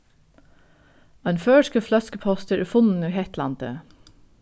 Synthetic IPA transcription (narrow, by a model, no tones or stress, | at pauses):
ɑnføːʃkəflœskəpʰɔst̪əɾfʊnn̩iːhɛt̪lɑnt̪ə̰